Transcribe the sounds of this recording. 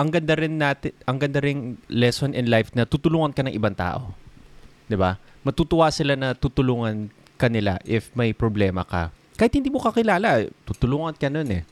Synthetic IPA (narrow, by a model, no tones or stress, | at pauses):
ʔɐŋɡɐnd̪ɐɾɪnːaːt̪ɪʔɐŋɡɐnd̪ɐɾɪŋlɛsonʔɛnlajfnɐt̪ut̪ʊluːŋɐnkɐnɐŋʔɪbaŋt̪a̰ːʔo̞ | d̪ɪba | mɐt̪uːt̪ʊwasɪlanɐt̪uːt̪ʊluːŋɐn | kɐnɪla̰ʔɪfmɐjpɾoblɛːmɐ̰kɐ̰kaːhɪt̪hɪnd̪iːmokɐkɪlaːlɐʔt̪ut̪ʊluːŋɐnkɐnonɛ̰